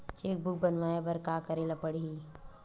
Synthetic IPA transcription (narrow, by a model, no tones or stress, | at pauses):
t͡ʃeːk̚bʊk̚bənʋaːebəɾkaːkəɾelapəɽii